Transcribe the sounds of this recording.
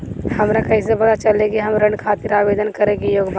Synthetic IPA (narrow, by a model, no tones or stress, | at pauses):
hɐmɾakɐɦĩs̬ebɐd̪at͡ʃɐlẽkiɦɐmɾɐ̃ɳɖkʰaːt̪ɪɾaːʋeːd̪ənkɐɾẽkijoːɡba